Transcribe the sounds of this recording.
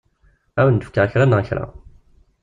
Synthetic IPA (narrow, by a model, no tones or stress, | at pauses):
æwənd̪əfkːaəçɾˤanəçɾˤa̰